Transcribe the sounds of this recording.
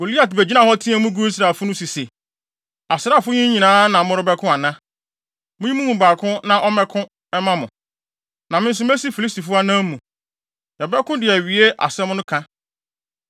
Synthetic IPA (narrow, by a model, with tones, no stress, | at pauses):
o˨li˦a˨tbæ˨d͡ʑi˦nã˨hɔ˦tʰĩ˦ɛ˦mʊ̃˦ɡu˦i˦s̬ɾa˨fʊ˦nʊ̃˦si˨se˨ | a˨sɪ˨ɾa˦˨fʊ˦ɲĩ˦ɲĩ˨nãː˦nã˨mʊ̃˦ɾɔ˦bɛ˦kʰʊ̃˦a˨nã˦ | mʊ̃˦ɲi˦mʊ̃˦hũ˨baː˨kʰʊ̃˦nã˨ʔɔ˦mɛ̃˦kʰʊ̃˦ | ɛ˦mã˦mʊ̃˨ | nã˨mɪ̃˦n̩˦s̬ʊ̃˦m˦e˦si˦fi˨i˦sti˨fʊ˦a˦nã˦mũ˨ | jɛ˨bɛ˦kʊ̃˦dɪ˨ɛ˨ɥi˨e˦ʔa̰˨sɛ̃˦mʊ̃˦nʊ̃˦kʰã˦